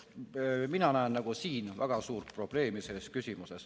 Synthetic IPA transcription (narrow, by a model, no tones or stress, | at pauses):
minɑnæennɑɡ̥usiːnvæ̰ɡ̥ɑsuːrt̪̚pro̞b̥le̞ːmise̞lːe̞skysʲimuse̞s